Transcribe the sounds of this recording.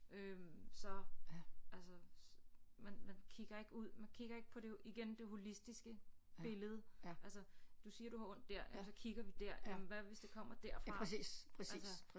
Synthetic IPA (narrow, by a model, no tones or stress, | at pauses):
ʔømsɒ̽ | ʔælsə | mænmænkʰiɡ̥ɐe̝ɡ̥əuð̰ˠmænkʰiɡ̥ɐe̝ɡ̥ə̥pʰɒ̽ɾ̥e̝iɡ̥end̥e̝ho̝lisd̥isɡ̥əb̥e̝ləð̞̩ˠʔælsəd̥usiːɐd̥uhɑ̈ɔ̽n̰d̥ːæɐ̰jæsɒ̽kʰiɡ̥ɐʋid̥æɐ̰jæmnʋæʋe̝sd̥e̝kʰɒ̽m̰ɐd̥æɐ̰fʁɑ̈sḭːspʰæs